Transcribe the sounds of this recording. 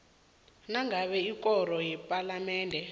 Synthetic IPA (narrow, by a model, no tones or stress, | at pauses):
naŋɡʱaɓɛik̬ʼɔrɔjɛpʼalamɛːndʱɛ